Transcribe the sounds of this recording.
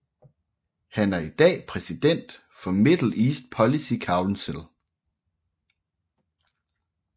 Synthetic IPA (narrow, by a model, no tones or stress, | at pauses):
hænæɐid̥ɛ̰ːpʰʁɛsid̥en̰d̥ | fɒ̽me̝d̥l̩ˠiːsd̥pʰɒ̽lisikʰɑ̈ʊlnsel